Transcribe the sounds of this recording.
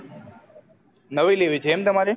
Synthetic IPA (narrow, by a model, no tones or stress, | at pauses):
nəʋileːʋit͡ʃʰemt̪əmaːɾe